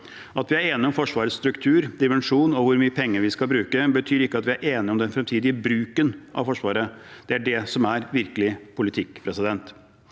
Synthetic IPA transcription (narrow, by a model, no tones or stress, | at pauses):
ɑt̪ʋɪæɾeːnɪɔmfɔʂʋɑːɾəst̪ɾʉkt̪ʰʉːɾd̪ɪmɛnʂuːnɔʋʊɾmyːəpʰɛŋːəɾʋɪskɑlbɾʉːkəbət̪ʰyːɾɪkːəɑt̪ʋɪæɾʔeːnɪɔmd̪ɛnfɾɛmt̪ʰiːd̪ɪəbɾʉːkənʔɑ̰ʋfɔʂʋɑːɾəd̪̥ɛæɖɛsɔmæɾʋɪɾkəlɪpʰʊlɪt̪ʰɪkːpʰɾɛsɪd̪ɛnt̪